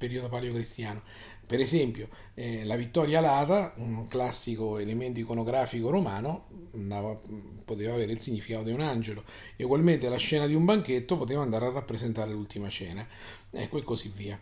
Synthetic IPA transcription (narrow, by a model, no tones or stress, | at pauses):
peɾiod̪opaːljokɾist̪jaːno | peɾezɛmpjo | ɛlavit̪ːɔɾjalaːt̪aunklasːikoelement̪oikonoɡɾaːfikoɾomaːnond̪aːvapot̪eːvaːveːɾeilsiɲːifikaːt̪od̪iunand͡ʒelo | euɡwalment̪elaʃːɛːnad̪iumbaŋk̟et̪ːopot̪eːvaːnd̪aːɾearːapːɾezent̪aːɾelult̪imat͡ʃɛːna | ɛ̰kːoekːosivːiːa